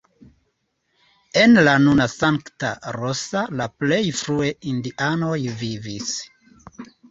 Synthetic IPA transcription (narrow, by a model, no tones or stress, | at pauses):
e̞nlanunasaŋktaɾosalaple̞jfɾue̞indiʔano̞jvivis